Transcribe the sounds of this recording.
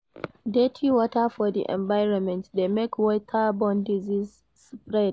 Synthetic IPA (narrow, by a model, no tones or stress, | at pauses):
detʰiwɔtafɔdḭʔɛ̰̃mbajɹɔnmɛ̃ntdemekwɔtʰabɔ̃ndiziz | spɹɛd̚